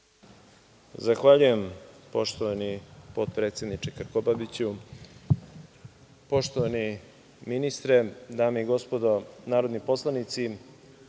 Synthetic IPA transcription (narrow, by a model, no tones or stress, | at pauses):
zaxʋaʎuje̞mpo̞ʃt̪oʋanipot̪̚pɾe̞ːt̪sjed̪nit͡ʃekaɾkobabit͡ɕu | po̞ʃt̪oʋani | minist̪ɾe̞d̪aːmeiɡo̞spod̪onaːɾod̪nipo̞slˠanit̪si